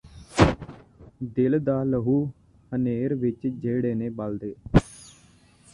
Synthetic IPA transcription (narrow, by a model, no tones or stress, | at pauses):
d̪ɪld̪aːləɦuː | həneːɾʋɪt͡ʃd͡ʒeːɽeːneːbald̪eː